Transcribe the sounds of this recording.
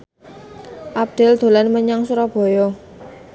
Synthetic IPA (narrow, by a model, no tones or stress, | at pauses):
ʔap̚d̪̥ɛ̤ld̪̥o̤lanməɲaŋsuɾab̥o̤jɔ